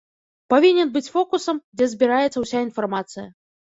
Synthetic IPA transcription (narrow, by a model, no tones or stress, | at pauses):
pavʲinʲɛnbɨt͡sʲfɔkusɐmd͡zʲɛzʲbʲiɾajɛt̪sːɐwsʲainfarmat̪sɨjɐ̰